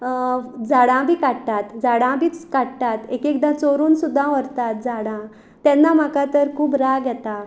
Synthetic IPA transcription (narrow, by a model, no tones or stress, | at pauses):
d͡zaɽãbʱiːkaɽt̪at̪d͡zaɽãbʱiːt͡skaɽt̪at̪ekekd̪ãt͡soɾuːnsud̪ʱːãʋəɾt̪at̪̚d͡zaɽã | t̪jɛnːam̤akat̪əɾkʰuːbɾaɡjɛt̪a